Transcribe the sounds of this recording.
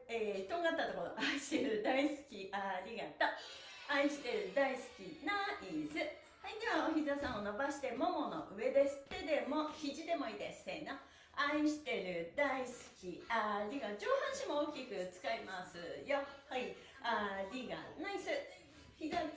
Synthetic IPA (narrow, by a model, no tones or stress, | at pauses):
eːt̪oːŋɡat̪ːat̪o̞ko̞ɾo̰ʔaiɕi̥t̪e̞ɾɯ̟d̪aisɨ̥kʲiʔaɾʲiɡat̪ːa | aĩɕi̥t̪e̞ɾɯ̟d̪aisɨ̥kʲinaizɨ | haid̪eβaoçizasãɰ̃o̞no̞baɕi̥t̪e̞mo̞mo̞no̞̰ʔɯ̟e̞d̪e̞sɨ̥t̪e̞d̪e̞mo̞çiʑid̪e̞mo̞iːd̪esɨ̥eno | aĩɕi̥t̪e̞ɾɯ̟d̪aisɨ̥kʲiaɾʲiɡad͡ʑo̞ːhãɰ̃ɕimo̞oːkʲikɯ̟t͡sɨ̥kaimasɨ̰johai | aɾʲiɡa̰naisɨ | iɡa